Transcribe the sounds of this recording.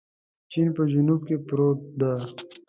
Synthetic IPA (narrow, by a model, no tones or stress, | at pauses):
t͡ʃinpəd͡ʒunub̚kepɾoːt̪̚d̪a